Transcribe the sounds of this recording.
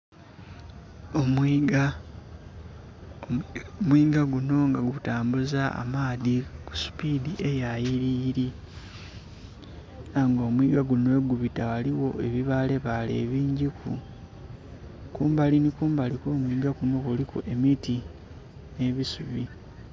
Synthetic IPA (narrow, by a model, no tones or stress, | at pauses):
omiɡa | omwiːɡaɡuno̞ŋɡaɡutaːmbuzaa̰maːðiku̥su̥pidiʔe̞jajiɾiːɾi | naŋɡo̞ːmwiːɡaɡunwe̞ːɡuβitawaliwo̞ʔe̞βiβale̞βale̞̰ːβiːɲɟikṵ | kuːmbalinikuːmbaliko̞ːmwiːɡaɡuno̞kuliko̰ʔe̞miti | ne̞βisuβi